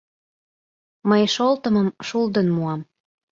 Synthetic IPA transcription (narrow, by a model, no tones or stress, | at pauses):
məjʃolt̪əməmʃuld̪ənmuɑm